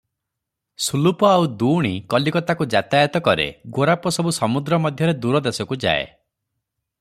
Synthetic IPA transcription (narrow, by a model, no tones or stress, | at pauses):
sulupɔawd̪uːɽ̃ikɔlikɔt̪akud͡ʒat̪ajt̪ɔkɔɾḛɡoɾapɔsɔbusɔmud̪ɾɔmɔd̪ʱjɔɾed̪uɾɔd̪esɔkud͡ʒa̰ḛ